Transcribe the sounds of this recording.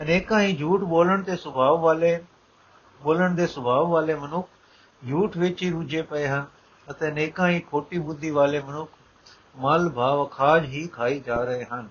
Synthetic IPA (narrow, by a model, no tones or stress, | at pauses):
neːkãːɦĩd͡ʒʱuːʈɓoːləɽ̃t̪eːsʊbʱaːʋʋaːle | ɓoːləɽ̃d̪eːsʊbʱaːʋʋaːlemɐnʊkʰ | d͡ʒʱuːʈʋeːt͡ʃiɾʊd͡ʒepɐeɦənɪ̆ | ɐt̪ẽːneːkãːɦĩːkʰoːʈiɓʊd̪ʱiʋaːlemɐnʊkʰ | maːlbʱaːʋkʰaːd͡ʒɦiːkʰaːid͡ʒaːɾɐɦeɦənɪ̆